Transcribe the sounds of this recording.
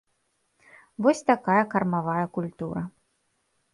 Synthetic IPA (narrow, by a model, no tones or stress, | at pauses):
vɔsʲt̪akajɐkɐrmavajɐkulʲt̪uɾɐ